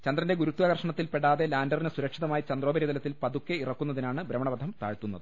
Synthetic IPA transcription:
t͡ɕɐnd̪rɐnde̞ɡuɾut̪ːuʋaɡɐrʂɐɳɐt̪ːilpeɽaːðelaːndɐrinɨsuɾɐkʂiðɐmaːjit͡ɕɐnd̪roːbɐɾiɐðɐlɐt̪ːilpɐd̪ukːeirɐkːunːɐðinaːɳɨbɾɐmɐɳɐbɐd̪ʱɐmt̪a̰ːɻt̪ːunːɐðɨ

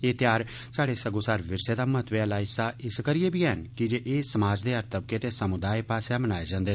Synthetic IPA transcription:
eːt̪jaːɾ | saːɽesəɡoːsaːɾʋɪɾsed̪aːmət̪ʋelaːɪsaʔɪskəɾɪebʱiːɛɦənkid͡ʒeːʔeːsəmaːd͡ʒd̪eːəɾt̪əb̚ket̪esəmʊd̪aːipaːsamənaːed͡ʒãːnd̪eː

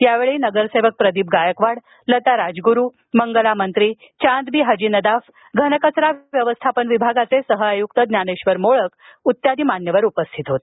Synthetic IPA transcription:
jaʋeɭiːnəɡəɾseʋək̚pɾəd̪iːp̚ɡajəkʋaɽ | lət̪aɾad͡zɡuɾu | məŋɡəlamənt̪ɾiː | t͡ɕãnd̪biːɦəd͡ʑiːnəd̪af | ɡʱənəkət͡sɾaʋjəʋəst̪ʰapənʋibʱaɡat͡sesəɦəajukt̪əd̪njaneɕʋəɾmoɭəkut̪jad̪iːmanjəʋəɾupəst̪ʰit̪ɦot̪

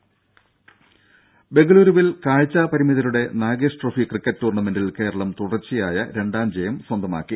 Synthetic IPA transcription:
be̞ŋɡɐɭuːɾuʋilkaːɻt͡ɕːaːpɐɾimiðɐluɽe̞naːɡeʂʈrofikrikːɐtːtuːrɳɐmendilke̞ːɾɐɭɐmt̪uɽɐrt͡ɕːijaːjɐɾe̞ɳɖaːmd͡ʑejɐmswɐnd̪ʱɐma̰ːkːi

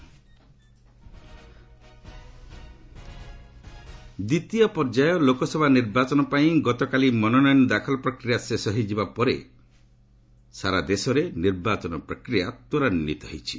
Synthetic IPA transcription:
d̪it̪iɔpɔɾd͡ʒajɔlokɔsɔbʱaniɾbat͡ʃɔnɔpaĩɡɔt̪ɔkalimɔnɔnɔjnɔd̪akʰɔlɔpɾɔkɾijasesɔɦid͡ʒibapɔɾḛ | saɾad̪esɔɾeniɾbat͡ʃɔnɔpɾɔkɾijat̪ɔɾaninːit̪ɔɦḛjt͡ʃʰi

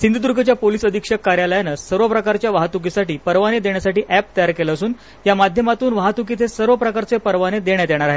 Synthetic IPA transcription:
sind̪ʱud̪uɾɡʱət͡ɕjapolisəd̪ʱikʂəkːaɾjaləjanəsəɾʋəpɾəkaɾt͡ɕjaʋaɦat̪uk̬isaʈiːpəɾʋaned̪eɳjasaʈiːʔæp̚t̪əjaɾkelasuːn | jamad̪ʱjəmat̪uːnʋaɦat̪ukit̪ʰesəɾʋəpɾəkaɾt͡sepəɾʋaned̪eɳjad̪eɽ̃aɾaɦe

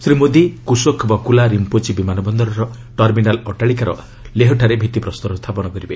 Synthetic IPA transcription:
sɾimod̪ikusokʰbakulaɾimpot͡ʃibimanɔbɔnd̪ɔɾɔɾɔ | ʈɔɾminalɔʈaɭikaɾɔ̰ | leɦɔʈʰaɾebʱit̪ipɾɔst̪ɔɾɔst̪ʰapɔñɔkɔɾibe

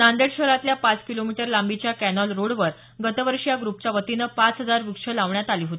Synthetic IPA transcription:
nand̪eɽɕəɾat̪ljapat͡skilomiʈəɾlambit͡ɕjakænɔlɾoɽʋəɾ | ɡət̪əʋəɾɕjaɡɾupt͡ɕjaʋət̪inəːpat͡sɦəd͡zaɾʋikʂəlaʋɳjat̪aliːɦot̪i

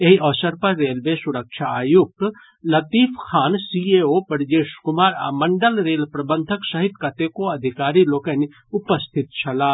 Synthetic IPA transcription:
ɐɦiɔːsəɾpɐɾːeːlʋesʊɾəkʃʰaaːjuk̚t̪ | lɐt̪iːfʰxʰaːnsiːeoːpɐɾd͡ʒeːʃkʊmaːɾa̰ːmɐ̃ɳɖəlɾeːlpɾɐbə̃nd̪ʱəksɐɦɪd̪̚kɐt̪ekoɐd̪ʱɪkaːɾiloːkəni | ʊpəst̪ʰɪt̪̚t͡ʃʰɐlaː

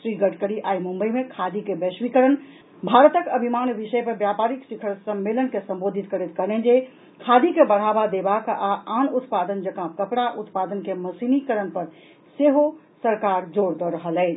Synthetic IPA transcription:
sɾiɡəʈkəɽiʔajmumbəjmekʰad̪ikebɛswikəɾən | bʱaɾət̪əkəbʱimanbisəjpəɾbjapaɾiksikʰəɾsəmːelənkesə̃mbod̪ʱit̪kəɾɛt̪kənɛnd͡ʒe | kʰad̪ikebəɽ̤abad̪ebakaanut̪pad̪ənd͡ʒəkãkəpɽaʔut̪pad̪ənkeməsinikəɾənpəɾ | seɦo | səɾkaɾd͡ʒoɾd̪ɔɾəɦəlɛɪt͡ʃʰ

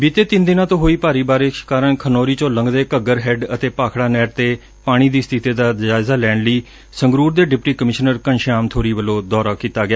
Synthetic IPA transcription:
biːt̪eːt̪ɪnd̪ɪnãːt̪õːɦoːiːpaːɾiːbaːɾe̥ːkaːɾənkʰənɔːɾiːt͡ʃõːləŋɡd̪eːkəɡəɾɦɛːɖət̪eːpaːkʰɽaːnɛːʈt̪eː | paːɽ̃iːd̪iːst̪ʰɪt̪eːd̪aːd͡ʒaːɪzaːlɛːɳləiː | səŋɡɾuːɾd̪eːɖɪpʈiːkəmɪʃnəɾkənʃaːmt̪ʰoːɾiːʋəloːd̪ɔːɾaːkiːt̪aːɡɪaː

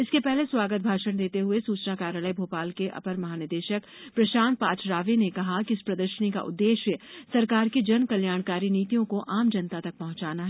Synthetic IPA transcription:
ɪskepɛɦleswaːɡət̪̚bʱaːʃəɽ̃d̪eːt̪eɦʊesuːt͡ʃnakaːɾjələibʱoːpaːlkeʔɐ̰pəɾmɐɦaːnɪɾd̪eːʃəkpɾɐʃaːnpaːt͡ʃʰɾaːʋinekɐɦakiɪspɾɐd̪əɾʃənika̰ʔʊ̰d̪ːeːʃjəsɐɾkaːɾkid͡ʒɐnkɐljaːɽ̃kaːɾiniːt̪ijõkoʔaːmd͡ʒɐnt̪at̪ɐk̚pɐɦʊ̃t͡ʃaːnaɦɛ

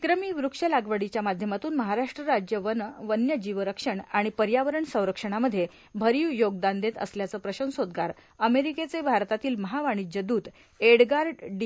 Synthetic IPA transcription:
kɾəmiːʋɾukʂəlaɡʋəɽit͡ɕjamad̪ʱjəmat̪uːnməɦaɾaʂʈɾəɾad͡ʑjəʋənʋənjəd͡ʑiʋəɾəkʂəɳaɽ̃ipəɾjaʋəɾəɳsə̃w̃ɾəkʂəɳ̃aməd̪ʱːje | bʱəɾiwjoɡd̪and̪et̪ə̰sljat͡səːpɾəɕə̃nsod̪ɡaɾ | əmeɾiket͡sebʱaɾt̪at̪iːlməɦaʋaɽ̃id͡ʑəd̪uːd̪ | eɽɡaɾɖɖ

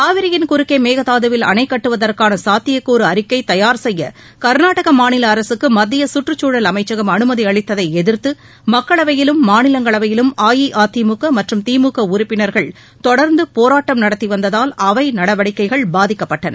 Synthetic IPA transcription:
k̪aːʋɪɾɪjɪnkʊɾʊkːeɪmeːɣɐt̪aːðɯʋɪlɐ̰nɐɪkːɐʈːɯʋɐðɐrkaːnɐsaːt̪ːɪjɐkːuːɾɯɐɾɪkːɐɪt̪ɐjaːɾsɛjːɐ̰ | kɐɾnaːʈɐɣɐmaːnɪlɐːɾɐsɯkːɯmɐd̪ːɪjɐsʊʈrɯt͡ʃːuːɽɐlɐmɐɪt͡ʃːɐɣɐmɐnɯmɐðiɐɭɪt̪ːɐðɐɪɛðɪɾt̪ːɯ | mɐkːɐɭɐʋɐjɪlɯmːaːnɪlɐŋɡɐɭɐʋɐjɪlɯmaːjiʔaːt̪ːimukːɐmɐʈrɯmt̪iːmukːɐʊɾʊpːɪnɐɾɣɐɭ | t̪ɔɽɐɾnd̪ɯpoːɾaːʈːɐmnɐɽɐt̪ːiʋɐnd̪ɐðaːlɐʋɐɪnɐɽɐʋɐɽɪkːɐɪɣɐɭbaːðɪkːɐpːɐʈːɐnɐ̰

